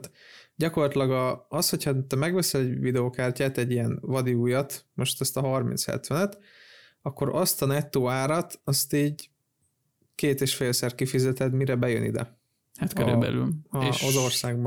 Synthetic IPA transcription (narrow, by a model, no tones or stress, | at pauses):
t̪ɟɒko̞rlɒt̪ilɒɡɒːsho̞chɒt̪ɛmɛɡʋɛsɛɟvid̪ɛoːkaːrcaːt̪ɛɟːijɛnvɒd̪iuːjɒt̪mo̞ʃt̪ɒst̪ɒɦɒrmḭnt̪shɛ̰t̪ʋɛnɛt̪ | ɒkːo̞ɾɒst̪ɒnɛt̪ːoːaːɾɒt̪ɒst̪iːɟ | keːt̪eːʃfeːlsɛr̚kifizɛt̪ɛd̪miɾɛbɛjønḭd̪ɛ̰ | hat̪køɾy̰bɛ̰ly̰lɒeɒzo̞rsaːɡb